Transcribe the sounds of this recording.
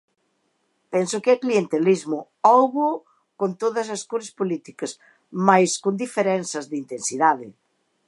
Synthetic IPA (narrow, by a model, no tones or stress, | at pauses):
pɛnsʊkɪɐklient̪elizmʊ | ɔwɣo | kont̪oðɐs̬ɐskuɾɐspolit̪ikɐs | majskond̪ifeɾɛnsɐzðint̪ensiðaðɪ